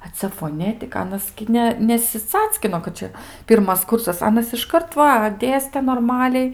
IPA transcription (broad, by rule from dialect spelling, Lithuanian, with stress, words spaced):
ɐ ˈt͡sʲɛ foːˈnʲæːtʲɪkɐ ˈɑːnɐs ɡʲɪ ˈnʲɛ nʲɛsʲɪˈt͡sɑːt͡sʲkʲɪnoː kɐt ˈt͡ʃʲɛ ˈpʲiːrmɐs ˈkʊrsɐs ˈɑːnɐs ɪʃˈkɐrt ˈʋɐ ˈdʲeːsʲtʲɛ noːrˈmɑːlʲɛɪ